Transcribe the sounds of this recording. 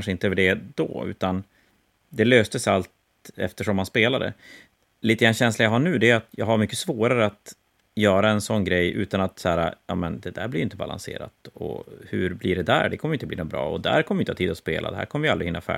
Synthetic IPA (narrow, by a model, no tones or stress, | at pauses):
nʂəɪnt̪əøːvəɖɛd̪ɔ̰ʉ̟̰ːt̪an | d̪ɛløːst̪əsalt̪ | ɛ̰ft̪əʂɔmːanspeːlad̪ɛ̰ | liːt̪əɡɾanːɕɛnslajaɦaɳʉ̟ːd̪ɛat̪jɑːɡɦaɾmʏkːəsvoːɾaɾəat̪ | jœːɾaɛnsɔnːɡɾɛjːʔʉ̟ːt̪anat̪sæːɾa̰jɑːmɛnd̪ɛd̪æːɾblɪɾjɪnt̪əba̰la̰nsḛːɾa̰t̪ɔ̰hɵɾblɪɖɛd̪æ̰ɾɖɛkʰɔməɾjɪnt̪əbliːnʊbɾɑːɔd̪æ̰ɾkʰɔmːvɪnʰːɑt̪ʰiːd̪ɔspḛːla̰d̪ɛɦæ̰ɾkʰɔməvɪjalɾɪhɪnːafæ̰